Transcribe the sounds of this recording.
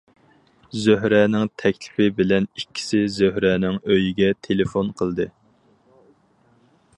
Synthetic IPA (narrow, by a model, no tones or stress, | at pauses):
zøɦɾɛnɪŋt̪ʰɛkʲlɪ̥pʰɪbɪlɛnikʲʰːi̥sɪzøɦɾɛːnɪŋøjiɡʲɛt̪ʰelɪfonqʰəlˠd̪ɨ